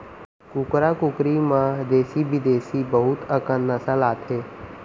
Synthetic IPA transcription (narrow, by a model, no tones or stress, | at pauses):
kʊkɾakʊkɾimãd̪eːsibid̪eːsibəɦʊt̪əkənːəsəlaːt̪ʰɦeː